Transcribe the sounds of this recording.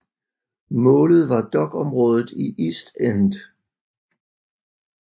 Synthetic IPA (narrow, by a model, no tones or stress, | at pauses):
mɔ̽ːlð̞̩ˠʋɑ̈d̥ɒ̽ɡ̥ɒ̽mʁɔ̽ːð̞ˠð̩ˠiʔisd̥end̥